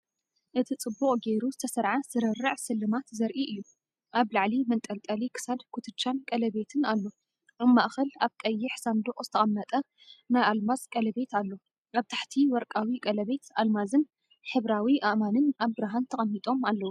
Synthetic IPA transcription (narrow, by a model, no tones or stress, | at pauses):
ʔɨt̪ʰit͡sʼɨbːuχʼɡejɾuzɨt̪ʰɐsɐɾʕaz̥ɨɾɐrːɨʕsɨlːɨmat̪zɐɾʔiʔɨjːu | ʔaβlaʕlimɐnt̪ʼɐlkʼɐlikʰɨ̥sad̪kʰʊt̪ʰɨt͡ʃːankʼɐlɐβe̞t̪ʰɨnalːo̞ | ɨmːaʔxɐlaβkʼɐjːɪħsand̪oχʼzɨt̪ʰɐʔʼɐmːɐt̪ʼɐ | najʔalmazkʼɐlɐbe̞t̪ʰalːo̞ | ʔaβt̪ʰḁħt̪ʰiwɔɾkʼawikʼɐlɐβe̞t̪almazɨn | ħɨβɾawiʔaʔmanɨnaβbɨɾaɦant̪ʰɐkʼɐnːit̪ʼo̞malːɐwu